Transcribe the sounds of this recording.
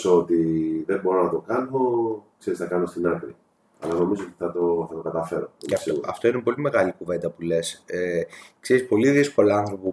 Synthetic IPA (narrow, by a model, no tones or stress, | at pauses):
sot̪iðebo̞ɾonɐt̪o̞kɐno̞kse̞ɾisnɐkɐno̞st̪inɐkɾi | ɐ̰lɐno̞mizoot̪i̥θɐt̪o̞θɐt̪o̞kɐt̪ɐfe̞ɾo̞ɐfoɐft̪o̞inepo̞lime̞ɣɐlikuve̞nd̪ɐpule̞sekseɾispo̞liðisko̞lɐɐnθɾopu